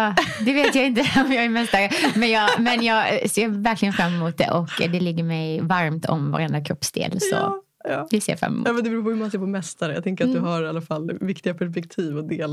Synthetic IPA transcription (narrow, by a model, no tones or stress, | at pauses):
ɑːd̪ɛveːt̪jaɪnt̪əɔmjɑːɡæmɛst̪aɾəmɛnjɑːmɛnjɑːɡsjɑːvæɾklɪɡənfɾamːɪmuːt̪̚d̪ɛ̰ʔɔkːd̪ɛlɪɡːəɾmɛjvaɾmt̪ʰɔ̰mva̰ɾɛnd̪akʰɾɔpsd̪ḛːlsɔ̰ | ɑːdɛseːfɾa̰mːɛ̰m̰jaːmɛnd̪ɛbɾuːpʰɔhʉɾmanseːɾpʰɔmɛst̪aɾəja̰t̪ʰɛŋkəɾat̪d̪ɵɦaɾalːafalːvɪkt̪ɪɡapʰæʂpɛkt̪ʰiːvɔd̪eːl